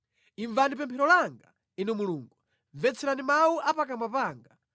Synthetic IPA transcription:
iɱvanip̬ɛmpʰɛɾɔlaŋɡa | inumuluːŋɡu | vɛt͡sʰɛɾanimawuʔapakamwapaːŋɡa

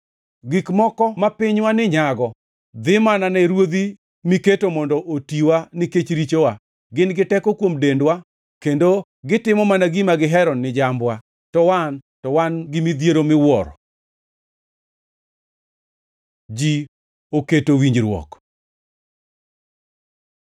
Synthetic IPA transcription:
ɡikmɔkɔmapɪɲwanɪɲaɡɔ | d̪ɪmananɛɾwod̪i | miketomɔndɔʔotiwanɪket͡ʃɾit͡ʃowa | ɡɪnɡɪtɛkɔkwomdendwa | kendo | ɡɪtɪmɔmanaɡimaɡɪɦɛɾɔnːɪd͡ʒambwa | tɔwantɔwanɡɪmid̪jeɾomɪwɔɾɔ̰ | d͡ʒi | oketowiɲd͡ʒɾwɔ̰k

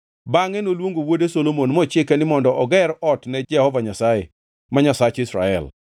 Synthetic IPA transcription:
baŋenolwoŋɡowodesolomonmɔt͡ʃɪkɛnɪmɔndɔʔɔɡɛɾɔtnɛd͡ʒɛhɔvaɲasaḛ | maɲasat͡ʃɪsɾa̰ɛ̰l

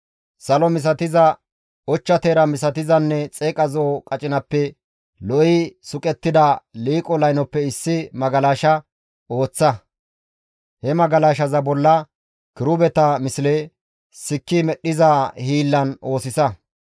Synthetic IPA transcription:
sɐlɔmɪs̬ɐt̪ɪzɐ | ɔt͡ʃːɐt̪eːɾɐmɪsɐt̪ɪzɐnːɛt͡sʼeːkʼɐzoːkʼɐt͡ʃʼɪnɐpːɛ | lɔɪsʊkʼɛt̪ːɪd̪ɐliːkʼɔlɐjnɔpːɛɪsːɪmɐɡɐlaːʃɐ | o̞ːt͡sːɐ | hɛmɐɡɐlaːʃɐzɐbɔlːɐ | kɪɾʊbɛt̪ɐmɪsɪle | sɪkːɪmɛɗːɪzahiːlːɐno̞ːsɪsɐ

